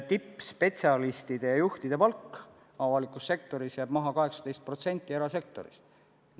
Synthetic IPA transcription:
t̪ipːspe̞t̪siɑlist̪id̪̥e̞jɑjuht̪id̪̥e̞pɑlkː | ɑvɑlikusːe̞k̚t̪o̞ɾisjæːb̥mɑɦɑkɑɦeksɑ̥t̪e̞jst̪̚pro̞t̪se̞nʲt̪ːˑieɾɑse̞k̚t̪o̞̰ɾḭst̪

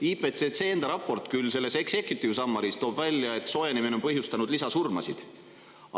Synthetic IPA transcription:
ipet̪set̪se̞ːend̪ɑɾɑpːˑo̞rt̪ˑkylːse̞lːe̞se̞kse̞kjut̪ˑːivsɑmːɑɾist̪o̞ːb̥vælʲːjɑe̞t̪ːˑso̞jenimineompɤɦjust̪ɑnud̪̥lisɑsurmɑ̰sid̪̥

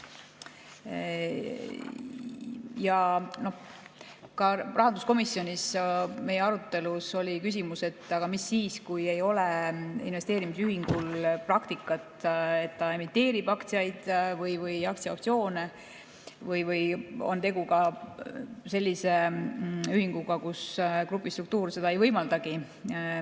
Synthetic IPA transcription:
jɑno̞h | kɑrɑɦɑnd̪uskomisːjo̞nʲisme̞jeɑɾut̪ːˑe̞luso̞lʲikys̬ʲimuse̞t̪ːˑɑɡ̥ɑmisːiːskuje̞jo̞leḭnvest̪e̞ːɾimisyɦiŋɡ̥ulprɑkt̪ikːˑɑt̪e̞t̪ːɑe̞mit̪ːe̞ːɾib̥ɑkt̪sijɑjd̪̥vɤjvɯjɑkt̪siɑop̪̚sio̞ːne̞ | vɤjvɯjo̞̰nt̪e̞ɡuɡɑ | se̞lʲːise̞ | yhiŋɡ̥uɡɑkuskrupːˑist̪ruk̚t̪uːrse̞d̪ɑejvɤjmɑld̪̥ɑɡ̥i

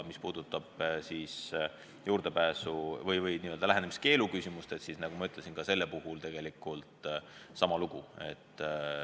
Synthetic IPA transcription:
mispuːd̪ut̪ːˑɑb̥siːs | juːɾd̪̥epæːsuvɤjvɤjniːøld̪ɑlæɦenemiske̞ːlukysimust̪et̪sisnɑɡ̥umɑyt̪ˑlesinɡ̥ɑse̞lːepuhult̪e̞ɡ̥e̞likːˑult̪sɑmɑluɡ̥ue̞̰t̪ː

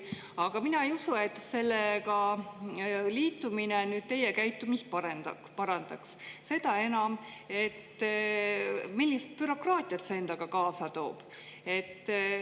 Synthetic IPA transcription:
ɑɡ̥ɑminɑejusue̞t̪ːse̞lːekɑ | liːt̪ːˑuminenyːd̪̥̚t̪e̞jekæjt̪ːˑumist̪̚pɑɾend̪ɑ | pɑɾɑnd̪̥ɑksse̞d̪̥ɑe̞nɑme̞t̪ː | milʲːist̪̚pyɾo̞krɑːt̪ʲˑiɑt̪see̞nd̪ɑɡ̥ɑkɑːsɑt̪o̞̰ːb̥ | e̞t̪ː

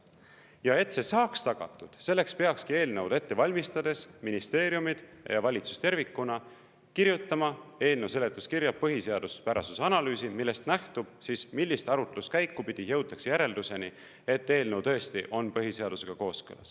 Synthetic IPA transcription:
jɑe̞t̪se̞sɑːkst̪ɑɡ̥ɑ̰t̪ːˑud̪̥se̞lːe̞kspe̞ɑkskie̞ːlnɤwd̪̥e̞t̪ːe̞vɑlʲmist̪ɑd̪̥e̞sminist̪e̞ːɾjumid̪̥ | jɑ̰vɑlʲit̪su̥st̪e̞rvikːˑunɑ | kiɾjut̪ːˑɑmɑe̞ːlnewse̞le̞t̪ːˑuskiɾjɑp̚pːɤɦise̞ɑd̪̥uspæɾɑ̰susɑnɑlyːsimilːe̞st̪næht̪ub̥siːsmilːist̪ɑɾut̪elust̪kæjkːupid̪̥ijɤ̞wt̪ːˑɑksejæɾe̞ld̪use̞ni | e̞t̪ːe̞ːlnewt̪ɤ̞est̪iʔo̞npɤɦiseɑd̪use̞ɡ̥ɑko̞ːskɯ̰lɑ̰s

